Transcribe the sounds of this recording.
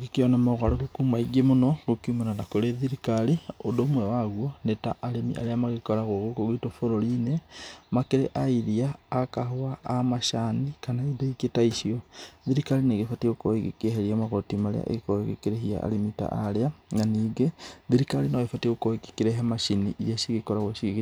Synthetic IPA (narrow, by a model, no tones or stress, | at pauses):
ɣekeonamoɣaɾoɣokumaiɡemonɔɣokiumenanakoɾeðiɾikaliodomwɛwaɣwɔnetaʔːɾemḭʔa̰ɾeamaɣekoɾaɣoɣokoɣitofoɾoɾinemakeɾḛʔaiɾiaːkaɦoaːmaʃanikanaidoiketaiʃiɔðiɾikalineɣefatiɣokoeɣḛkeɦeɾiamaɣɔtimaɾḛa̰ʔḛɣekoeɣekeɾeɦia̰ʔa̰lemita̰ʔa̰ɾeananiːɡeðiɾikalinaɣefateɣokoeke̥keɾeɦemaʃiniʔjaʃiɣekɔɾaɣwɛʃiɣeɣ